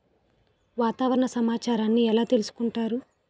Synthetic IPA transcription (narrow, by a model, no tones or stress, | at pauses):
ʋaːt̪aːʋɐɾɐɳɐsɐmaːt͡ʃaːɾaːnːiɛlaːt̪elusu̥kuɳʈaːɾu